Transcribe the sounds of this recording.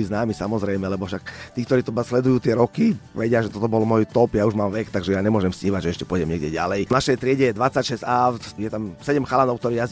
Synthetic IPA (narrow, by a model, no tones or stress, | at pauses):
liznaːmisamɔzɾɛjmɛlɛbɔfʃakt̪iːkt̪ɔɾiːt̪ɔbaslɛd̪ujuːt̪ɪɛɾɔkiʋɛɟɪaʒɛt̪ɔt̪ɔbɔlmɔjt̪ɔpjauʒmaːmʋɛkt̪aɡʒɛjaɲɛmʊɔʒɛmsɲiːʋaɟʒɛɛʃcɛpʊɔjɟɛmɲɛɡɟɛɟa̰lɛjnaʃɛjt̪ɾɪɛɟɛjɛd̪ʋat͡sacʃɛsat̪jɛt̪amsɛɟɛmxalanɔʊkt̪ɔɾiːjaz